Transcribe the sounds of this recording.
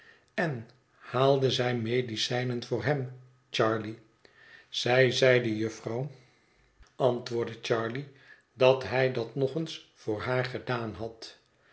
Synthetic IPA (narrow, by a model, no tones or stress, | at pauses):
ɛn | haːlˠdəzɛjmejdisɛjnənvʊːɹɦɛm | t͡ʃɑːɹli | z̥ɛjzɛjdəjɵfrɑw | ɑntʋʊːɹdət͡ʃɑːɹli | dɑtɦɛjdɑtnɔχənsfʊːɹɦaːɹχədaːnɦɑt